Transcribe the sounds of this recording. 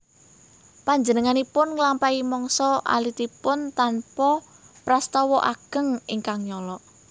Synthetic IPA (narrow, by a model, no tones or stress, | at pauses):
paɲd͡ʒənəŋanipʊnŋlampaimɔŋsɔʔa̰lit̪ipʊnt̪anpɔpɾast̪ɔwɔʔaɡ̥ə̤ŋiŋkaŋɲɔlɔʔ